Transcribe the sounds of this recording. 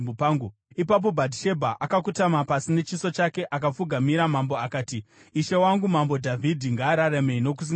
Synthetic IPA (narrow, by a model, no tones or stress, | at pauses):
paːŋɡu | ipap̬o̞bʱadʱiʃe̞bʱaʔakak̬utamapasine̞t͡ʃiso̞t͡ʃake̞ʔakap͡fuɡʱamiɾamambo̞akaːti | iʃewaŋɡumambo̞dʱavʱidʱiŋɡaːɾaɾeme̞ino̞kusi